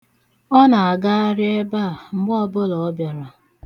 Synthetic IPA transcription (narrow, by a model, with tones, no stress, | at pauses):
ɔ˦na˨a˨ɡa˦a˦ɾɪ˦e˦ba˦˨ŋ͡m̩˦ɡ͡bɔ˦bʊ˦lɔ˨ɔ˦bja˨ɾa˨